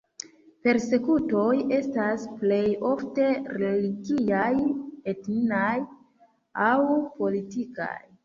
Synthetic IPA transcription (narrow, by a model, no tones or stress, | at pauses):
pe̞ɾse̞kuto̞je̞stasple̞jo̞fte̞ɾeliɡijajetninaj | awpo̞litika̰j